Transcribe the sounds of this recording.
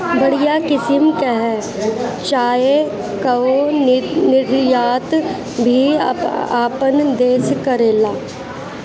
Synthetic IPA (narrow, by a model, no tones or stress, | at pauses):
bɐɽijakɪsɪmkeɦɛ | t͡ʃaːje | kɐo | nɪɾjaːt̪ | bʱi | aːpənd̪eːskɐɾeːlaː